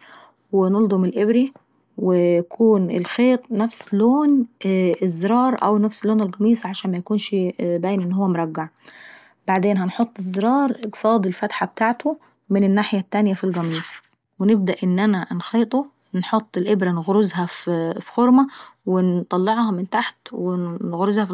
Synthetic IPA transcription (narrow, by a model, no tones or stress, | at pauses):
wɪnʊld̪ˤʊmɪlʔɪbɾi | wɪjakʰuːnʔɪ̰lxeːt̪ˤnafsloːnɪzːɾˤɑːɾˤʔa̰wnafsloːnɪlɣɑmiːsˤʕaʃaːnmajakuːnʃbaːjːnʔɪnːhʊwːamɾˤɑɡːaʕ | b̥aʕd̪eːnɦanħot̪ˤːɪzːɾɑːɾˤʔɪɡsˤɑːd̪ˤɪlfat̪ħab̚t̪aːʕt̪ʊ | mɪnɪnːaːħɪjat̪ːaːnɪjafilɣɑmiːsˤ | wɪnɪb̚d̪aʔɪnːʔanaʔnxeːt̪ˤo | nħot̪ˤːɪlʔɪbɾanɣɾʊzɦaffxʊɾmawɪnt̪ˤɑlːɑʕhɑmɪnt̪aħt̪wɪnɣɾɪzhæf